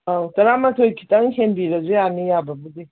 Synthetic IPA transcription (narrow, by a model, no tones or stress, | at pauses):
awtɐɾamɐtʰojkʰi̥tɐŋhenbiɾɐzujanijabɐbudi